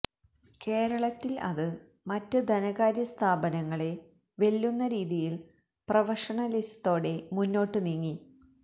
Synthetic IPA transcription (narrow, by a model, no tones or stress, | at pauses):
ke̞ːɾɐɭɐt̪ːilɐ̰ðɨ | mɐtːɨd̪ʱɐnɐɣaːɾjɐst̪ʰaːbɐnɐŋːɐɭe̞ | ʋe̞lːunːɐɾiːðijil | prɐʋɐʂɐɳɐlist̪o̞ːɽe̞munːo̞ːʈːɨniŋːi